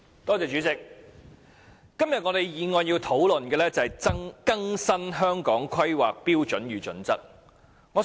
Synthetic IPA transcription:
t̪ɔː˥t͡sɛː˨˧t͡ʃyː˨˥t͡sɪ˨k̚ | kːɐ˥mjɐ˨t̚ŋɔː˨˧t̪e˨jjiː˨˧ŋɔː˨˧njiː˧wt̪ʰo˨˥wlɵ˨nkɛː˧lɛː˥t͡sɐ˨hɐ˨˩jt͡sɐ˥ŋkɐ˥ŋsɐ˥nɦœː˥ŋkɔː˨˥ŋkʰɐ˥jwaː˨k̚piː˥wt͡ʃɵ˨˥njyː˨˩t͡ʃɵ̰˨˥nt͡sɐ˥t̚ | ŋɔ˨˧

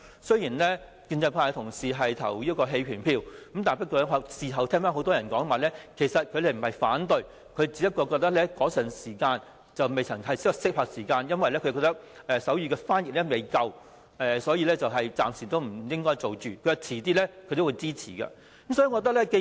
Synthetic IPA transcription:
sɵ˥ɥjiː˨˩nlɛː˥ | kiː˧nt͡sɐ˧jpʰaː˧˥jt̪ʰʊ˨˩ŋsiː˨ɦɐ˨jt̪ʰɐ˨˩wjiː˥tkɔː˧ɦe˧jpʰyː˨˩npʰiː˧wkə˨˥mt̪aː˨˩pɐ˥kɔː˧ɐ˥a˨˧siː˨ɦɐ˨wt̪ʰɛː˥ŋfaː˨˥ho˨˥wt̪ɔː˥ɐ˨˩nkɔː˨˥ŋ˨maː˨˩lɛː˥kʰe˨˩jsɐ˨t̚kʰɥle˨m̩˨˩hɐ˨jfaː˨˥nt̪ɵ˨ɥ | kʰɵ˨˧ɥt͡siː˨˥pɐ˥t̚kːɔː˧kɔː˧t̪ɐ˥k̚lɛː˥kɔː˨˥sɐ˨˩nsiː˨˩kaː˧n | t͡sɐ˨wme˨jt͡sʰɐ˨˩ŋhɐ˨jsɪ˥ksɪ˥k̚haː˧k̚siː˨˩kaː˧njɐ˥nwɐ˨jlɛː˥kʰɵ˧kɔː˧kt̪ɐ˥k̚ʔɛː˨sɐ˨˥wjyː˧kɛː˧faː˥njɪ˨lɛː˥me˨jkɐ˧w | ʔɛ˨sɔː˨˥jiː˧lɛː˥t͡sɐ˨wɦɐ˨jt͡saː˨msiː˨˩t̪o˥wm̩˨˩jɪ˥ŋkɔː˥jt͡so˨wt͡ʃyː˨kʰɵ˨˧ɥjɐ˨˧t͡sʰiː˨˩t̪iː˥lɛː˥kʰɵ˨˧t̪o˥wu˨˧jt͡siː˥t͡sʰiː˨˩kɐ̰˧ | kmsɔː˨˥jiː˧ŋɔ˧k̚t̪ɐ˥k̚lɛː˥ke˧

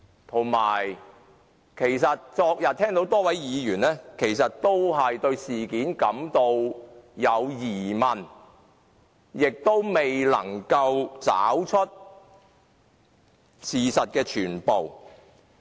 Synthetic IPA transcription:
t̪ʰo˨˩ŋmaː˨˩j | kʰe˨˩jsɐ˨t̚t͡sɔː˧k̚jɐ˨t̚t̪ʰɛː˥ŋt̪o˨˥wt̪ɔː˥wɐ˨˥jjiː˨˧jyː˨˩nlɛː˥kʰe˨˩jsɐ˨t̚t̪o˥wɦɐ˨jt̪ɵ˧ɥsiː˨kiː˨˥nkɐ˨˥mt̪o˧wjɐ˨˧wjiː˨˩mɐ˨˩n | jɪ˨k̚t̪o˥wme˨jlɐ̰˨˩ŋkɐ˧wt͡sa̰ː˨˥wt͡ʃʰɵ˥t̚ | siː˨sɐ˨t̚kɛː˧t͡ʃʰyː˨˩npo˨w

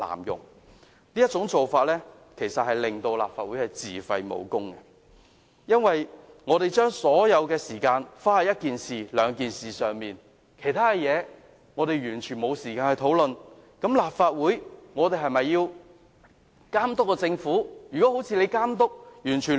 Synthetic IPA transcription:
la̰ː˨˩mjʊ̰˨ŋ̚ | liː˥jɐ˥t̚t͡sʊ˨˥ŋt͡so˨wfaː˧t̚lɛː˥ | kʰe˨˩jsɐ˨t̚hɐ˨jlɪ˨ŋt̪o˧wla̰ː˨p̚faː˧t̚wu˨˥jɐ˨˩t͡siː˨˩fɐ˧jmo̰˨˧wkʊ˥ŋkɛ˧ | jɐ˥nwɐ˨j | ŋɔː˨˧ɾe˨jt͡ʃœː˥ŋsɔː˨˥jɐ˨˧wkɛː˧siː˨˩kaː˧nfaː˥hɐ˨jɐ˥t̚kiː˨nsiː˨˩lœː˨˧ŋkiː˨nsiː˨sœː˨ŋmiː˨n | kʰe˨˩jt̪ʰaː˥kɛ˧jɛː˨˧ | ŋɔː˨˧ɾe˨jɥyː˨˩nt͡ʃʰyː˨˩nmo˨˧wsiː˨˩kaː˧nkɛ˧t̪ʰo˨˥wlɵ˨n | kɐ˨˥mlaː˨p̚faː˧t̚wuː˨˥jŋɔː˨˧t̪e˨jɦɐ˨jmɐ˨jːiː˧w | kaː˥mt̪ʊ˥kːɔː˧t͡sɪ˧ŋfuː˨˥jyː˨kɔ˨˥ho˨˥wt͡sʰiː˧le˨˧jkaː˥mt̪ʊ˥k̚jyː˨˩nt͡ʃʰyː˨˩n

